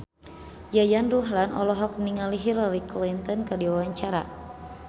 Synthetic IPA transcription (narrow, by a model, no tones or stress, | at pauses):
jajanruɦlanʔɔ̰lɔɦɔk̚niŋaliɦiɾɔɾiklint̪ɔnkərdiwawaɲt͡ʃaɾa̰